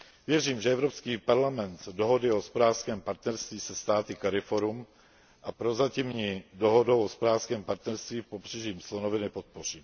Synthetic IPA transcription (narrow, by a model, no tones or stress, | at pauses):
vjɛriːmʒɛɛvɾopskiːpaɾlamɛnt̪doɦo̞dɪospoɾaːfskɛːmpaɾt̪nɛɾst̪viːsɛst̪aːt̪ɪkaɾɪfo̞ɾum | ʔapɾo̞zacɪmɲiːdoɦo̞dowospoɾaːfskɛːmpaɾt̪nɛɾst̪viːpo̞br̝ɛʒiːmslonovɪnɪpo̞t̪̚po̞r̝iː